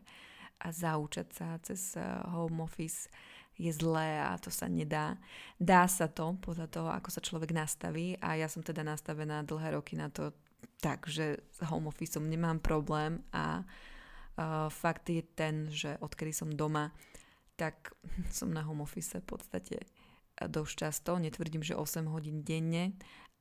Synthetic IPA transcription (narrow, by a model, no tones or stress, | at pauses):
ʔazaut͡ʃacsat͡sɛzɦɔʊmɔfisjɛzlɛːa̰t̪ɔsa̰ɲɛd̪aːd̪aːsat̪ɔpɔd̪ʎat̪ɔɦɔa̰kɔsat͡ʃlɔʋɛɡnast̪a̰ʋiːʔa̰jasɔmt̪ɛd̪anast̪aʋɛnaːd̪l̩ɦɛːɾɔkinat̪ɔ | t̪aɡʒɛz̥ɦɔmɔfisɔmɲɛmaːmpɾɔblɛːma̰ | fakt̪jɛt̪ɛnʒɛʔɔt̪kɛd̪isɔmd̪ɔma | t̪aksɔ̰mnaɦɔmɔfisɛfpɔ̰t̪st̪acʰɛ̰ | d̪ɔʃt͡ʃast̪ɔɲɛt̪ʋr̩ɟiːmʒɛ̰ʔɔsɛmɦɔɟiːnɟɛɲːɛ